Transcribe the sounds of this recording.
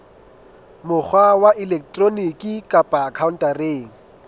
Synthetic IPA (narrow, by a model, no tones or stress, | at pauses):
mʊk͡xʰwawaʔilɛk̚ʰtʼronikʼikʼapʼaːkʰaʊn̩tʼareːŋ̩